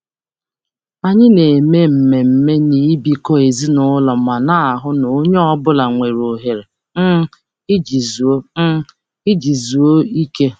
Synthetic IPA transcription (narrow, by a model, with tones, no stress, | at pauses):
a˨ɲɪ˦ne˨me˦m̩˨me˨m̩˨me˦ni˨˦bi˦kɔ˦e˨zi˦nʊ˦lɔ˨m̩˨a˨na˦a˨ɦʊ˦no˨o˦ɲe˦ɔ˦bʊ˦la˨ŋʷe˨ɾo˨ɦe˨ɾe˨ | m̩˦ | ɪ˦d͡ʒi˨zu˨o˦m̩˦ | ɪ˦d͡ʒi˨zu˨o˦i˦ke˦